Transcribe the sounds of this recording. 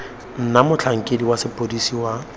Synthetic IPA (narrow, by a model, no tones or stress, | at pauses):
n̩namʊt͡ɬʰaŋ̩kʼediwasɪpʼodisiwa